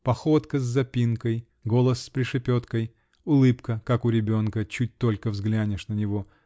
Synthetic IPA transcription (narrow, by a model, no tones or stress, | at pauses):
pɐxo̞t̪kəzʲːɐpʲinkəj | ɡo̞lˠəsːpɾʲɪʂɨpʲo̞t̪kəj | ʊlˠɨpkəkakʊɾʲɪbʲo̞nkət͡ɕut̚ʲt̪o̞lʲkəvzɡlʲænʲɪʂnənʲɪvo̞